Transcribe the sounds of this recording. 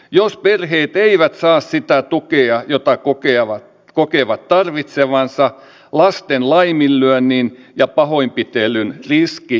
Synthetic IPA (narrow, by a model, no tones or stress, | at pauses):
josperheːt̪eiʋæt̪sɑːssit̪æt̪ukeɑjot̪ɑkokeɑʋɑ | kokeʋɑt̪t̪ɑrʋit̪seʋɑnsɑ | lɑst̪enlɑimilːyønːinjɑpɑhoimpit̪elːynriski